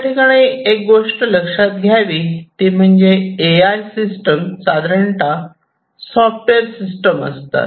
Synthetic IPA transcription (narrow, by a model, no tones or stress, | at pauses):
t̪t̪ʰikaɭeek̚ɡoʂʈələkʂat̪̚ɡʱjaʋiːt̪im̤əɳd͡zeːajsisʈəmsad̪ɾəɳʈa | sɔfʈʋeɾsisʈəmə̰st̪a̰t̪